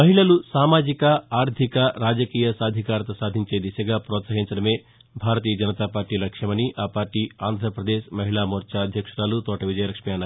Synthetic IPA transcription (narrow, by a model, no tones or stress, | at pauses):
mɐɦiɭɐlusaːmaːd͡ʒikɐaːɾd̪ʱikɐɾaːd͡ʒɐkiːjɐsaːd̪ʱikaːɾɐt̪ɐsaːd̪ʱiɲt͡ʃeːd̪iʃɐɡaːpɾɔːt̪sɐɦiɲt͡ʃɐɽɐme̞ː | bʱaːɾɐt̪iːjɐd͡ʒɐnɐt̪aːpaːɾʈiːlɐkʂjɐmɐniʔaːpaːɾʈiːaːnd̪ʱɾɐpɾɐd̪eːʃmɐɦiɭaːmoːɾt͡ʃaːɐd̪ʱjɐkʂɐɾaːlut̪ɔːʈɐʋid͡ʒɐjɐɾɐkʂɐmijaːnːa